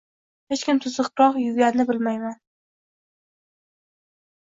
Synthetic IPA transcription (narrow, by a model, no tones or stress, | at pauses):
het͡ʃkʲɪmt̪ʰʊzɨqɾɒqjʊɡʲanɪbɪlmajman